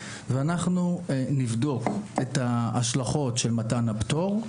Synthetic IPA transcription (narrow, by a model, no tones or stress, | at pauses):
veanaχnunivdo̞ketaːʃlaχo̞tʃelmatanabto̞ʁ